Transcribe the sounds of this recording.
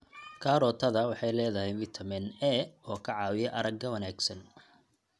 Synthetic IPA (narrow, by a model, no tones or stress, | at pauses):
kʰaːɾɔːt̪ʰɐðɐwɑħɑjlɛːðɐhɛjwɪt̪ʰɐmɪnɛɔːkʰɐʕɑːwɪjɛʔɐɾɐɡɐwɐnaːɡsɐn